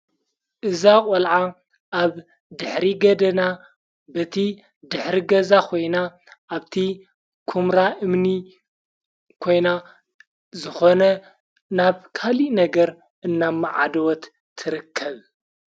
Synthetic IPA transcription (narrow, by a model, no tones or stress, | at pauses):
ʔɨzakʼɐlʕa | ʔaβ | d̪ɨħɾiɡɐd̪ɐna | bɐt̪ʰi | d̪ɨħɾiɡɐzakʰo̞jna | ʔaβt̪ʰi | kʰumɾaʔɨmni | kʰo̞jna | zɨxo̞nɐ | naβkʰalinɐɡɐɾ | ʔɨnːamːaʕa̰d̪ɐwɔt̪ːʰ | ɨɾɨkʰːɐβ